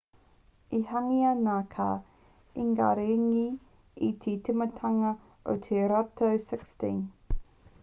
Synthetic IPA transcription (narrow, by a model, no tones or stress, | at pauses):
ihaŋianakʰa̰ | iŋɡa̰ɾeŋi | it̪ʰitʰemɐtʰaŋɐ | o̰tʰeɾatʰowsɪkstin